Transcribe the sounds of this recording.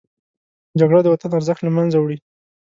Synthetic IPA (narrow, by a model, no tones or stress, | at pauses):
d͡ʒaɡɽad̪əwat̪anaɾzəxt̪lamanzawɽi